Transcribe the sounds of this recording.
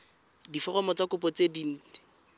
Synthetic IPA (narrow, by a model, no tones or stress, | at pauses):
difɔrɔmɔt͡sakʊpɔt͡sedin̩ːt